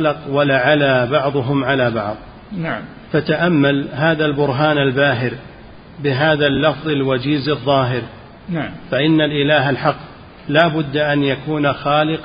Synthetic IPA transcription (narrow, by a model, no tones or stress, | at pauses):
lqwalaʕalabɑʕðˤʊɦʊmʕalaːbɑʕðˤ | fat̪aʔamːalɦaːðalbʊɾɦaːnalbaːɦɪɾ | bɪɦaːðalːɑfðˤalwad͡ʒiːzɑðˤːɑːɦɪɾ | faʔɪnːalʔɪlaːɦalħɑqː | laːbʊd̪ːaʔanjakuːnaxaːlɪq